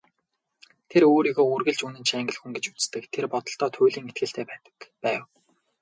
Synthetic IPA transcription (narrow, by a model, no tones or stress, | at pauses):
t̪ʰeɾoːɾiːɣoːɵrɣɘ̆ɮt͡ɕunɘ̆nt͡ɕʰæŋɡɘ̆ɮxuŋɡet͡ɕu̥t͡sst̪ɘ̆kt̪ʰerpɔt̪ɞ̆ɬt̪ɔːt̪ʰʊjɮiːŋet̪̚ɡɘ̆ɬt̪ʰeːpæːt̪ə̥̆kpæːw